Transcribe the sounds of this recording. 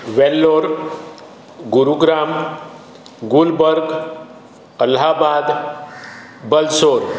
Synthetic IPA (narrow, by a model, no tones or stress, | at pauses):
ʋelːoɾ | ɡuɾuɡɾam | ɡulbəɾɡ | əlɦabad̪ | bəlsoɾ